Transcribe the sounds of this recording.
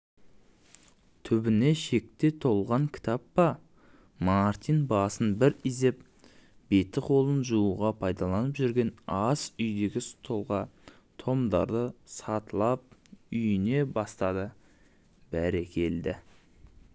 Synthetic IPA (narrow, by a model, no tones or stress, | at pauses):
t̪ʰʏbɪne̞ʃe̞k̚t̪e̞t̪ʰo̞lˠʁɑŋkʲʰɪ̥t̪ʰɑpːɑ | mɑɾt̪ijnbɑsənbɪɾize̞p̚ | b̥e̞t̪ːɪqʰo̞lˠənʒuuʁɑpʰɑjd̪ɑlˠɑnəpʒʏɾɡʲe̞nɑsʏjd̪e̞ɡʲɪst̪ʰo̞lˠʁɑ | t̪ʰo̞md̪ɑ̰ɾd̪əsɑt̪əlˠɑp̚ʏjɪne̞bɑst̪ɑd̪ə | bæɾekʲʰe̞ld̪ɪ